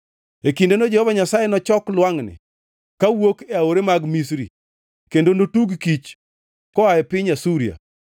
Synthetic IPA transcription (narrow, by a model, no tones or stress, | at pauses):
ekindonod͡ʒɛhɔvaɲasajenɔt͡ʃɔklwaŋnɪ̰ | kawokeaoɾemaɡmis̬ɾḭ | kendonotuɡkit͡ʃ | kɔaɛpɪɲasuɾija̰